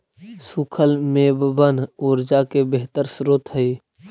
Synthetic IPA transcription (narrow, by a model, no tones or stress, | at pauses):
sukʰəlmẽːbbənoːɾd͡ʒakebeɦt̪əɾsɾot̪ɦəiː